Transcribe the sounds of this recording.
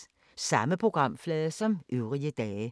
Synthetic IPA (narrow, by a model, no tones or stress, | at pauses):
sɑ̈məpʰʁoɡ̥ʁɑ̈m̰flɛːðˠɐsɒ̽mʔyʊʁiəd̥ɛː